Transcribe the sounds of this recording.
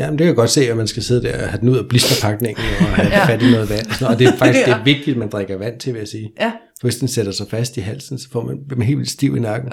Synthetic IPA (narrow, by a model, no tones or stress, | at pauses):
jæmnd̥e̝kʰæjɡ̥ɒ̽d̥se̝̰ːɒmænsɡ̥æse̝ðˠd̥æɐhæd̥en̩uð̰ˠɐb̥lisd̥ʁɐpʰɑ̈ɡ̥ne̝ŋ̰n̩ɒhæfæd̥inɔ̽ːð̩ˠʋæn̰ɒsɒnoð̩ˠːde̝ɐfɑ̈ɡ̥iɡɡ̥e̝æɐʋe̝ɡ̥̚d̥id̥æmænd̥ʁaɡ̥ɐʋæn̰t͡sʰe̝ʋe̝jæsiːfɒ̽ʋe̝sd̥enseɾ̥ɐsɑ̈ɪfæsd̥iɦæl̰sn̩sɒ̽fɒ̰ːmænnɦe̝̰l̰ʋilsd̥iʊinɑ̈ɡ̥n̩